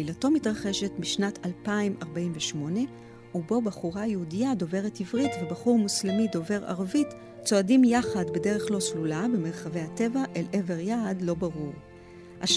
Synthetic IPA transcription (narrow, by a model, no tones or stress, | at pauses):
ilato̞mitʁaχeʃe̞tmiʃnatalpaimaʁbaimveʃmo̞ne̞ | ubo̞baχuʁajeudijado̞ve̞ʁetivʁitve̞baχuʁmuslemido̞ve̞ʁa̰ʁavit | t͡so̞adimjaχadbe̞de̞ʁeχlo̞slulabe̞me̞ʁχave̞jhate̞vaʔeleve̞ʁjadlo̞baʁuʁ | aʃ